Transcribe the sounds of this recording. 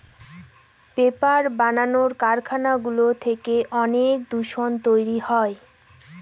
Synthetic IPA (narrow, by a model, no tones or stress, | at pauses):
pepaɾbananoɾkaɾkʰanaɡulot̪ʰekeʔɔnek̚d̪uʃont̪ojɾihɔe